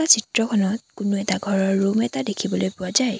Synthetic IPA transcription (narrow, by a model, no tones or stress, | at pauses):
asitɹɔkʰɔnɔt̚kʊnoɛtaɡʱɔɹɔɹːumɛtadekʰibɔlojpʊazaj